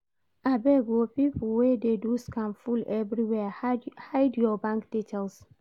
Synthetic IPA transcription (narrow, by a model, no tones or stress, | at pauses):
ʔabɛɡopiplwededuskãnfulɛvɹiwɛhajdjɔbãŋkd̥itʰɛls